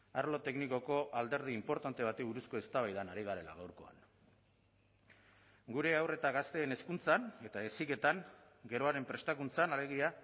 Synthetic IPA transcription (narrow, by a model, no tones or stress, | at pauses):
aɾlo̞t̪e̞kniko̞ko̞ʔald̪e̞ɾðiːmpo̞ɾt̪ant̪e̞β̞at̪eβuɾusko̞e̞st̪aβajðanaɾiɣ̞aɾe̞la̰ɣ̞awɾko̞a̰n | ɡuɾe̞awre̞t̪aɣast̪e̞ːne̞skunt͡sane̞t̪aesike̞t̪aŋ | ɡe̞ɾo̞aɾe̞mpɾe̞st̪akunt͡sanale̞ɣ̞ia